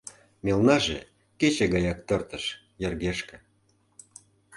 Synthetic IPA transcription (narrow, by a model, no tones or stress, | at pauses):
mʲelnɑʒe | ket͡ɕeɣɑjɑk̚t̪ɤ̆rt̪ə̆ʃ | jə̆rɣeʃkĕ